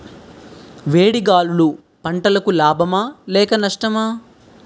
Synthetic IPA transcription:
ʋeːɽiɡaːlulu | pɐɳʈɐlɐkulaːbʱɐmaːlɛːkɐnɐʂʈɐmaː

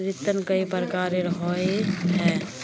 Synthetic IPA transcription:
ɾɪt̪ːənkəipɾkaːɾeɾɦoeɦɛː

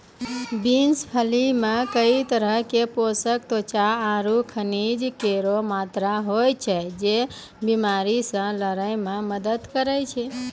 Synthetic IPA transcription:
binspʰəlimẽkəit̪əɾəɦkeposək̚t̪ot͡ʃaaɾukʰənid͡ʒkeɾomat̪ɾaɦojt͡ʃʰɛd͡ʒe | bimaɾisə̃ləɾəɪmẽməd̪əd̪kəɾət͡ʃʰɛ

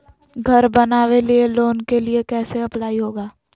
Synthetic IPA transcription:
ɡʱɐɾbɐnaːwelieloːnkeliekɛːseɐplaːiɦoːɡaː

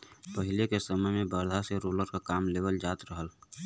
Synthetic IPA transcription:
pəɦɪlekesəməjmẽbəɾd̪ʱaseɾoːləɾkakaːmleːbəld͡ʒaːt̪ɾəɦəl

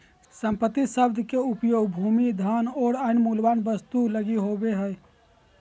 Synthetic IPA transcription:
səmpət̪ːisəbd̪ʱkeupjoɡbʱumid̪ʱanɔːɾaɪnmulbanbəst̪uləɡiɦobeɦəj

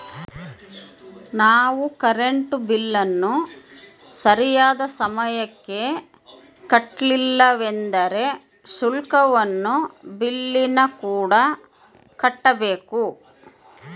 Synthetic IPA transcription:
naːʋukɐɾeɳʈubilːɐnːu | sɐɾijaːd̪ɐsɐmɐjɐkːe̞ | kɐʈlilːɐʋe̞nd̪ɐɾe̞ | sulkɐʋɐnːubilːinɐkuːɽɐ | kɐʈːɐbeːku

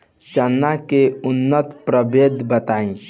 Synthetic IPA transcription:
t͡ʃənːakeʊnːət̪pɾəbed̪ʱbət̪aːĩ

